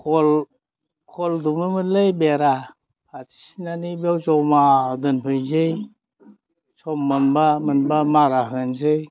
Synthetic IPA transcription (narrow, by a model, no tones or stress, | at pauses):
kʰɔl | kʰɔldumɯmɯlejbeɾa | atʰi̥sinanibewzɔwmadɯnpʰɯjzɯj | sɔmːɯnbamɯnbamaɾaɦɯnzɯj